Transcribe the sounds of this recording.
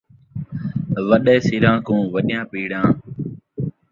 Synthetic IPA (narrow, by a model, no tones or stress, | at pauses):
ʋəɗɛːsɪɾãːkũːʋəɗɪjãːpiːɽãː